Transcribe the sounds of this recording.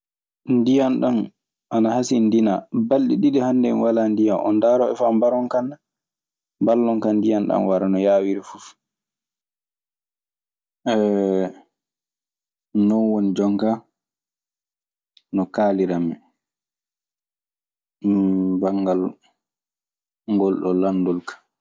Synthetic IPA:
ndijanɗan | ʔanahasindinabalɗiɗiɗihandɛnwalandijanɔ̰ndaɾɔɛfambaɾɔŋkanːa | mbalːɔŋkanːdijanɗa̰nwaɾanɔjaːwiɾifuf | ʔɛ | nɔnwonid͡ʒɔŋka | nɔkaːliɾamɛ | baŋɡal | ŋɡɔlɗɔlandulkḁ

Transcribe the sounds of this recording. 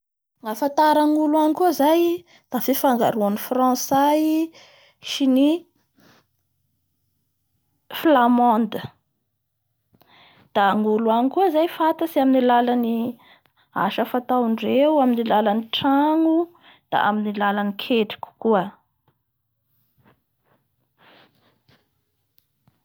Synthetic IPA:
ŋafant̪aɾaŋuluanikuzaj | d̪̥afifaŋɡaɾuanifrãsaj | ʃini | flamɔnd̪ə | d̪̥aːŋuluanikuəzajfat̪asiaminilalani | a̰ʃəfat̪auɳɖ͡ʐewaminilalaniʈ͡ʂaŋu | d̪̥a̰ʔa̰minilalanikʰeʈ͡ʂi̥ku̥kuə

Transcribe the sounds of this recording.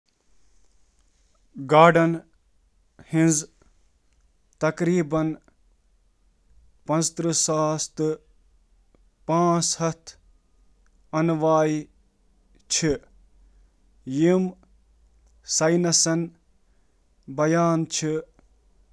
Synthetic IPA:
ɡaːɖɐn | hĩnz | t̪ɐkɾiːbɐn | pɐ̃nst̪ɾɨsaːst̪ɨ | pãːshɐt̪ʰ | ɐnʋaːi | t͡ʃʰi | jim | sɐjnɐsɐn | bɐjaːnt͡ʃʰi

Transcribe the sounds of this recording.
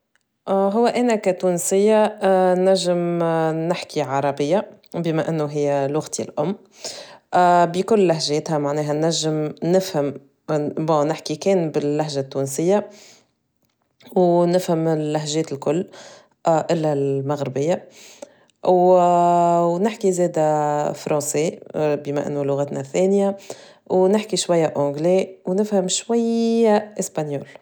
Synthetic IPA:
ɦʊwːæʔæːnækæt̪uːnsɪjːanæʒːɪmnɪħkiʕɑɾˤɑbɪjːa | bɪmæʔɪnːuɦɪjːælʊɣt̪ʰilʔʊmː | bikʊlːæɦʒɛːt̪hæmaʕnɛːɦænæʒːɪmnɪfhɪm | bõːnɪħkikɛːnbɪlːæɦʒat̪ːuːnsɪjːa | wnɪfhəmɪlːaɦʒɛːt̪ɪlkʊlː | ʔɪlːælmaɣɾɪbɪjːa | w | nɪħkizɛːd̪æfɾˤʔɑ̃ːsebiːma̰ʔɪ̰nːulʊɣæːt̪næθɛːnja | wnɪħkiʃwajːaʔɔ̃ɡlewnɪfhəmʃwajaʔɪspanjoːl

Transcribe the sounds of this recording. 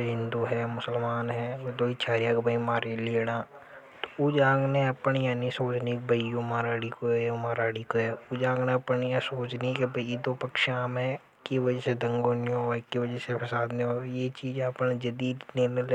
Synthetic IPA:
ɦɪ̃nd̪uɦɛmʊsəlmaːnɦɛːd̪oːit͡ʃʰaːɾijãkbʱəimaːɾeleːɽaː | t̪o̥ud͡ʒaːɡneɐpənjaːnisoːt͡ʃnik̚bəijõmaːɾaːɽikoɛmaːɾaːɽikoɦɛʊd͡ʒaːɡneɐpənjãsoːt͡ʃnikbəid̪opəkʃaːmɦɛ | kiʋəd͡ʒəsed̪ə̃ŋɡoːnijõkiʋəd͡ʒəsepʰɐsaːd̪niojet͡ʃiːd͡ʒɐpnd͡ʒɐd̪iːd̪nell

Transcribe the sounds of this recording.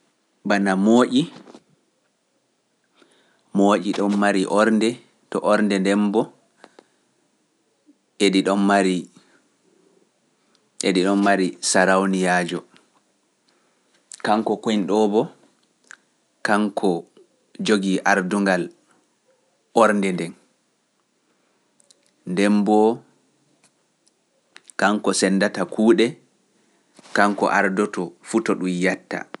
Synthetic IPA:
banamoːʔi | moːʔiɗɔmːaɾiʔɔɾndɛ | tɔʔɔɾndɛndɛmbɔ | ʔeɗiɗɔmmaɾi | ʔeɗiɗɔmːaɾisaɾawnijaːd͡ʒɔ | kaŋkɔkoinɗɔːbɔ | kaŋkʰɔ | d͡ʒoɡiʔaɾduŋɡal | ɔɾndɛndɛn | ndɛmbɔ | kaŋkɔsɛnːdatakʰuːɗɛ | kaŋkɔ̰ʔaɾdɔtɔfutɔɗumjatːa̰

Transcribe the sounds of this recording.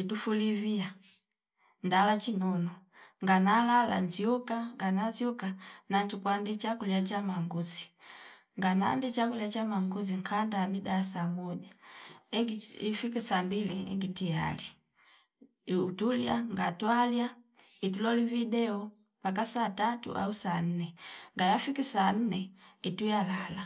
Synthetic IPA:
itufulivia | ndalat͡ʃinɔnɔ | ŋɡanalala̰nziukaŋɡanaziukanantukwandit͡ʃakuliat͡ʃamaŋɡuzi̥ | ŋɡana̰ndit͡ʃakuliat͡ʃamaŋɡuziŋkʰandamidasamɔʄaɛɡiifikisambiliɛ̰ŋɡitija̰li | utuljaŋɡatwalja | itulɔlividɛɔ | pakasatatṵʔa̰usan̩nɛŋɡajafikisan̩nɛitujalala

